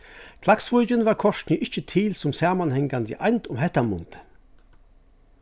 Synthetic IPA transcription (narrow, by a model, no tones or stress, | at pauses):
kʰlaksvʊɟənvaːkʰɔʃtniʔɪçt͡ʃət̪ʰiːlt͡sʊmsɛɐmanhɛŋɡand̪ḭʔa̰ɪnt̪ʰʊmɦɛt̪ɐmʊ̰nt̪